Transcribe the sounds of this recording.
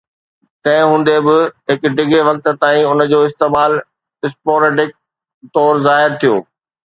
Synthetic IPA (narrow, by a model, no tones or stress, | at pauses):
t̪ɐ̃ɦɪ̃ɦũːn̆d̪ebɪɦɪkɖɪɡʱeʋɐk̚t̪t̪aːĩʊnə̆d͡ʑoːɪst̪eːmaːl | ɪspoːɾeːɖɪk̚ | t̪ɔːɾzaːɦɪɾt̪ʰijo̰ː